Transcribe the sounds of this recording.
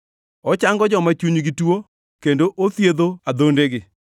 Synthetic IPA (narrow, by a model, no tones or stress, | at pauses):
ɔt͡ʃaŋɡɔd͡ʒɔmat͡ʃuɲɡɪtuwo | kendoʔot̪jed̪oad̪ondeɡɪ